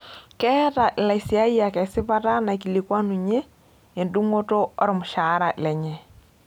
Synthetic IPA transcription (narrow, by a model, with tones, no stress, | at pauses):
kɛ˦ta˨ʔɪ˨la˨isi˨a˦i˦a˨kɛ˨sɪ˦pa˦ta˦na˨ki˨li˨kwa˦nu˨ɲe˦ | e˨ndu˦ŋo˦to˦ɔ˦ɾɔ˨mʊ˨ʃa˨˦ɾa˨ʔɪ̰˨lɛ˨ɲɛ˨